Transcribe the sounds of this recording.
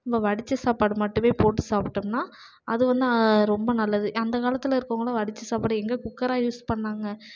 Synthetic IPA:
mbɐʋɐɽɪt͡ʃːɯsaːpaːɽɯmɐʈːɯmeːpoːʈ̬ːɯsaːpʈːɯmnaː | ɐðɯʋɐnd̪ɯɾɔmbɐnɐlːɐðɯɐnd̪ɐkaːlɐt̪ːɯlɐɪɾɯkːoŋɡɐɭoːʋɐɽɪt͡ʃːɯsaːpaːɽɯɛŋɡekʊkːɐɾaːjuːspɐɳːaːŋɡɐ

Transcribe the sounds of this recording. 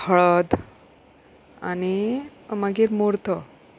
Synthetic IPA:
həɭəd̪ | a̰nimaɡiːɾmoɾt̪ʰə

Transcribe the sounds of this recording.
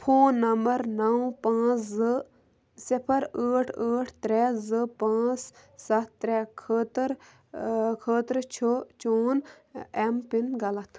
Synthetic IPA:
pʰoːnːɐmbɐɾnɐwpãːt͡sʰzɨ | sipʰɐɾəːʈʰəːʈʰt̪ɾɛːzɨpãːt͡s | sɐt̪ːɾɛːkʰəːt̪ɾ | kʰəːt̪ɾt͡ʃʰot͡ʃoːn | empinɡɐlɐt̪ʰ

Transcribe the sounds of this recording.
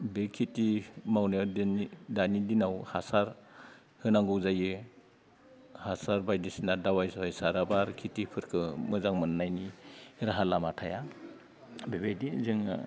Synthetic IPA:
bekʰitimawndnidanidinawhasaɾ | hɯnaŋɡuwzajɯ | hasaɾbajdisinadawajsɔjsaɾabaɾkʰitipʰɯɾkʰɯmɯzaŋmɯnːajnihiɾaɦalamatʰaja | bebejdizɯŋ̰

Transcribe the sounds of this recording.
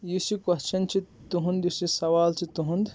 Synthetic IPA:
jusikɐst͡ʃʰɐnt͡ʃʰit̪uɦund̪jusisɐʋaːlt͡ʃʰit̪uɦund̪

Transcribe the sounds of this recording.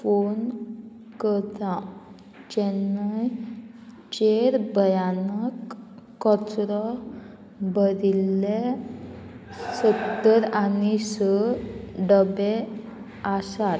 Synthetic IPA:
fon | kət̪ã | d͡ʑenaj | t͡ɕeɾbʱəjanəkː | ɔt͡sɾɔ | bəɾile | sət̪ːəɾanisə | ɖəbe | asat̪

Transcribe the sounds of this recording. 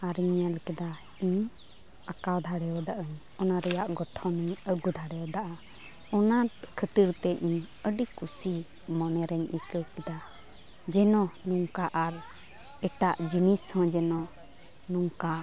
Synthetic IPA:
aɾiɲalkɛd̪a | iɲ | akawd̪ʱaɽɛɔd̪aʔəɲ | ɔnaɾɛjaʔɡɔʈʰɔ̃niɲəɡud̪ʱaɽɛjɔd̪aʔa | ɔnat̪̚kʰət̪iɾt̪ɛʔiɲ | əɖikusi | mɔnɛɾɛɲʔikəwkɛd̪a | d͡ʒɛnɔnuŋkaʔaɾ | ɛʈaʔd͡ʒinishɔ̃d͡ʒɛnɔ | nuŋka

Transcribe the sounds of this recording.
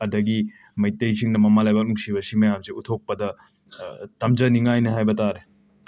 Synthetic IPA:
ɐdɐɡi | mɐjtɐjsiŋnɐmɐmalajbak̚nuŋsibɐsimɐjamsiutʰok̚pɐdɐ | tɐmd͡ʒɐniŋajnɐɦajbɐtaɾe

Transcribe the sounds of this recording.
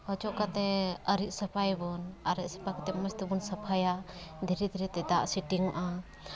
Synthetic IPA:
hɔt͡ʃɔʔkat̪ɛəɾit̪̚səpʰajbɔnaɾit̪̚sə̥pʰakat̪ɛməst̪ibɔnsəpʰajaʔd̪ʱiɾɛd̪ʱiɾɛt̪ɛd̪aʔsiʈiŋʔa

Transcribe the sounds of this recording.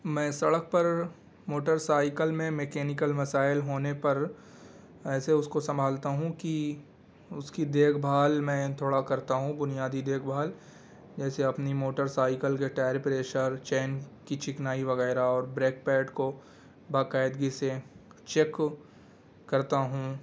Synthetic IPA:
mɛ̃ːsɐɽək̚pɐɾ | moːʈəɾsaːɪkəlmẽmekeːnɪkəlmɐsaːɪlɦoːnepɐɾ | ɛːseʊskosɐ̃mbʱaːlt̪aɦũki | ʊskid̪eːkʰbʱaːlmɛ̃ːt̪ʰoːɽakɐɾt̪aɦũbʊnijaːd̪id̪eːkʰbʱaːl | d͡ʒɛːseɐpnimoːʈəɾsaːɪkəlɡeʈaːɾpɾeːʃəɾt͡ʃeːnkit͡ʃɪknaːiʋɐɣɛːɾaɔːɾbɾeːk̚pɛːʈko | baːkaːɪd̪ɡise | t͡ʃeːk | ɐɾt̪aɦũː

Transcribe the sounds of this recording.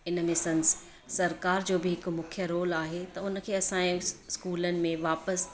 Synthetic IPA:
ɪnmɪsəns | sɐɾkaːɾd͡ʑoːbʱɪɦɪkmʊkʰijəɾoːlaːɦet̪ɐʊnə̆kʰeːɐsãːĩskuːlənɪ̆mẽʋaːpəs

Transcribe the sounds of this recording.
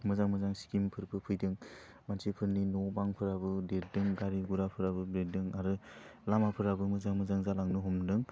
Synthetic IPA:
mɯzaŋmɯzaŋsi̥kimpʰɯɾpʰɯpʰɯjdɯŋ | mansipʰɯɾninɔbaŋpʰɯɾabɯdeɾ̚dɯŋɡaɾiɡuɾapʰɯɾabɯbɾedɯŋaɾɯlamapʰɯɾabɯmɯzaŋmɯzaŋzalaŋnɯɦɔmdɯŋ

